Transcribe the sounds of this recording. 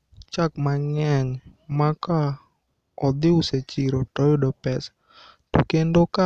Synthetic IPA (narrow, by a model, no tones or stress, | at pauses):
t͡ʃakmaŋɛŋ | maka | ɔd̪ɪʊset͡ʃiɾɔtɔjodɔpɛs | tṵkendoka